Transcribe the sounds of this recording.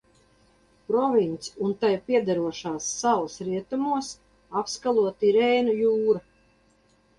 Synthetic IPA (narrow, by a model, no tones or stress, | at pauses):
pɾɔvint̪sunt̪ajpiɛd̪aɾuɔʃaːsːalˠsɾiɛt̪umuɔs | apskalˠuɔt̪iɾɛːnujuːɾa